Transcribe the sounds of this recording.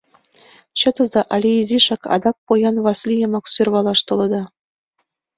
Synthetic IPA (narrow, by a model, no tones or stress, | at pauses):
ɕɤ̆t̪ɤ̆zɑʔɑlʲiizʲiʃɑkɑ̰d̪ɑk̚pojɑnβɑslʲijɤ̆mɑksørβɑlˠɑʃt̪ɤ̆lˠɤ̆d̪ɑ